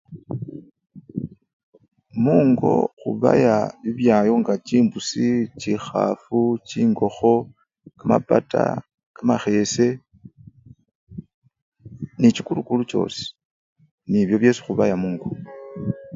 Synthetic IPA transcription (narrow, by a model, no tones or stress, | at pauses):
muːŋɡo̞̰xṵβa̰jaβiβjaːjo̞ŋɡat͡ʃiːmbusit͡ʃixa̰fut͡ʃiːŋɡo̞xo̞ | kama̰pata̰ | kamaxe̞se̞ | nit͡ʃikulukulut͡ʃo̞̰ːse̥ | niβjo̞βje̞su̥xuβajamuːŋɡo